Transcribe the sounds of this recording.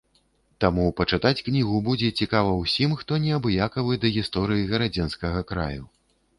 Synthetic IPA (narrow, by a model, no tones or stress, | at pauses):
t̪amupɐt͡ʂɨt̪at͡sʲknʲiɣubud͡zʲɛt͡sʲikavɐwsʲimxt̪ɔnʲɛabjakɐvɨd̪ɐɣʲist̪ɔɾɨjiɣɐɾad͡zʲɛnskɐɣɐkɾa̰ju